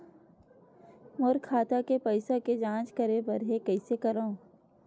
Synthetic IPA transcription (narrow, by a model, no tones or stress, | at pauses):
moɾkʰaːt̪akepɐɪsaked͡ʒãːt͡ʃkɐɾepɐɾɦekɛɪsekɐɾaũ